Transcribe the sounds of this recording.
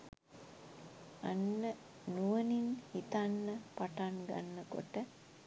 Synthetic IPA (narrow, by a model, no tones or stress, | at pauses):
anːə | nuʋəninhit̪anːəpaʈanɡa̰nːəko̰ʈə